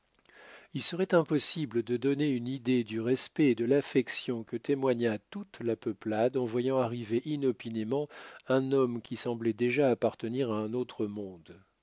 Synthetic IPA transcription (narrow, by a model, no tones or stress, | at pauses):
ilsəʁɛt̪ɛ̃pɔsibləd̪əd̪ɔneynid̪ed̪yʁɛspɛːd̪əlafɛksjɔ̃kət̪emwaɲat̪ut̪lapəplad̪ɑ̃vwajɑ̃aʁiveʔinɔpinemɑ̃ɛ̃nɔmkʲisɑ̃blɛd̪eʒaːpaʁt̪əniʁaɛ̃not̪χəmɔ̃d̪